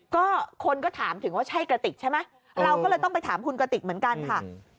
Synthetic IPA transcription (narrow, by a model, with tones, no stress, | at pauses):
kɔː˥˩kʰo˧nk̬ɔː˥˩t̪ʰaː˩˦mt̪ʰɯ˨˩˦ŋwaː˥˩t͡ɕʰa˥˩jkɾa˧t̪i˨˩k̚t͡ɕʰa˥˩jma˦˥j | ɾa˧wkɔː˥˩lɤː˧jt̪ɔ˥˩pa˧jt̪ʰaː˩˦mkʰu˧nkɾa˧t̪i˨˩k̚mɯ˩˦ənka˧nkʰa˥˩